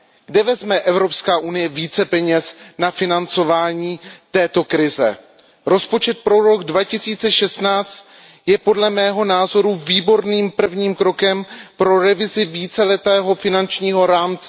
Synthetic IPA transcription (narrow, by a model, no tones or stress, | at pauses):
ɡdɛvɛzmɛʔɛvɾo̞pskaːʔunɪjɛviːt͡sɛpɛɲɛsnafɪnant͡so̞vaːɲiːt̪ɛːt̪o̞kɾɪzɛ̰ | ɾo̞spo̞t͡ʃɛt̪̚pɾo̞ɾo̞ɡdvacɪsiːt͡sɛʃɛst̪naːt͡st̪ | jɛpo̞dlɛmɛːɦo̞naːzo̞ɾuviːbo̞ɾniːmpr̩vɲiːmkɾo̞kɛmpɾo̞ɾɛvɪzɪviːt͡sɛlɛt̪ɛːɦo̞fɪnant͡ʃɲiːɦo̞ɾaːmt͡sɛ